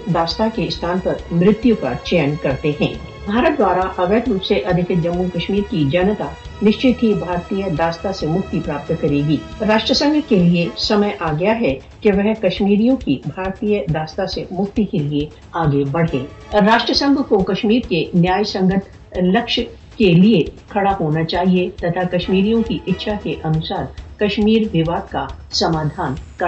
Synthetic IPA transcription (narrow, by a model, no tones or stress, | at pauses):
d̪aːst̪akeɪst̪ʰaːnpɐɾmɾɪt̪jukat͡ʃɛjənkɐɾt̪eɦɛ̰̃ː | bʱaːɾət̪̚d̪waːɾaʔɐʋeːd̪ɾuːpseʔɐd̪ʱɪkɪd͡ʒɐmːukɐʃmiːɾkid͡ʒɐnt̪anɪʃt͡ʃɪt̪ɦibʱaːɾt̪ijəd̪aːst̪asemʊkt̪ipɾaːp̚t̪kɐɾeːɡiːɾaːʃʈɾəsə̃ŋɡʱkeliesɐməjʔaːɡɐjaɦɛ | keʋɛɦkɐʃmiːɾijõkibʱaːɾt̪ijəd̪aːst̪asemʊkt̪ikelie | aːɡebɐɽ̤ẽː | ɾaːʃʈɾəsə̃ŋɡʱkokɐʃmiːɾkenjaːjsɐ̃ŋɡət̪ʰ | lɐkʃ | keliekʰɐɽaɦoːnat͡ʃaːɦiet̪ɐt̪ʰakɐʃmiːɾijõkiʔɪtːʃʰakeʔɐnʊsaːɾkɐʃmiːɾʋɪʋaːd̪kasɐmaːd̪ʱaːnkɐ